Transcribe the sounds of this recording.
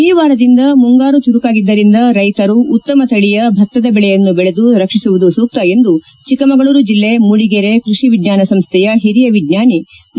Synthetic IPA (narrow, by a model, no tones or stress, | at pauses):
iːʋaːɾɐd̪ind̪ɐmuŋɡaːɾut͡ʃuɾukaːɡid̪ːɐɾind̪ɐɾɐjt̪ɐɾuːt̪ːɐmɐt̪ɐɭijɐbʱɐk̚t̪ːɐd̪ɐbɛɭɛjɐnːubɛɭe̞d̪uɾɐkʂisuʋud̪usuːk̚t̪ɐe̞nd̪u | t͡ʃikɐmɐɡɐɭuːɾud͡ʒilːe̞muɽiɡeɾekɾuʂiʋid̪ɲaːnɐsɐmst̪ʰɛjɐɦiɾijɐʋidɲaːni